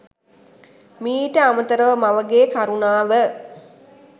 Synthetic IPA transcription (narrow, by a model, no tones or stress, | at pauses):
miːʈəamət̪əɾəʋəmaʋəɡeːkaɾunaːʋə